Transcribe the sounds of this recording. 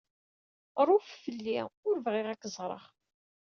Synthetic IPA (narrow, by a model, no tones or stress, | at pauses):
ɾˤʊffəlːiʊɾvʁɪʁækːəzˤɾˤə̰χ